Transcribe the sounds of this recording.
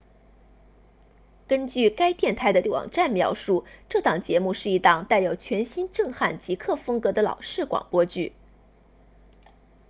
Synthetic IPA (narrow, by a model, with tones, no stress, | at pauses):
kə˥nt͡ɕy˥˩ka˥ɪt̪jɛ˥˩nt̪ʰa˧˥ɪə˧lwɑ̰˨˩ŋʈ͡ʂa˥˩nmjɑ˧˥ʊʂu˥˧ʈ͡ʂɤ˥˩t̪ʰɑ˨˩ŋt͡ɕjɛ˧˥mu˥˧ʂɻ̩˥˩i˧˥t̪ɑ˥˩ŋt̪a˥˩ɪjo˨˧˩ʊt͡ɕʰɥɛ˧˥nɕi˥nʈ͡ʂɤ˥˧ŋxa˥˩nt͡ɕi˧˥kʰɤ˥˩fɤ˥ŋkɤ˧˥d̪ə˧lɑ̰˨˩ʊʂɻ̩˥˩kwɑ̰˨˩ŋpwɔ˥t͡ɕy˥˩